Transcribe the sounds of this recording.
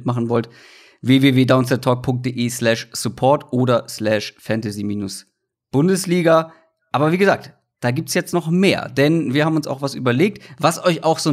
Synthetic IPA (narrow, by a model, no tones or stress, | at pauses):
tmaχn̩vɔlt | veːveːveːdaʊnsɛtʰɔːk̚pʰʊŋk̚d̥eːʔeːslɛʃsupʰɔɐtʔoːɾɐslɛːʃfɛntaziːmiːnʊs | b̥ʊndəsliːɡa | ʔaːbɐviːɡəzaːk̚t | d̥aːɡiːp̚tsjɛt͡stnɔχmeːɐdɛnviɐhabmʊnsa̰ʊxv̥asʔy̰ːbɐleːk̚tvasʔɔʏçaʊxz̥oː